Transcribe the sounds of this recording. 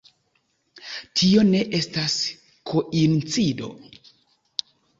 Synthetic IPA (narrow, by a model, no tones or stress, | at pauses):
tʰio̞ne̞ʔe̞stas | kʰo̞ʔint͡sido̞̰